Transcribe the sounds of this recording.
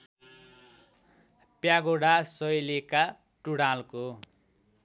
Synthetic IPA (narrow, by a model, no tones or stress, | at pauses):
pjaɡoɽasʌjleka | ʈuɽalko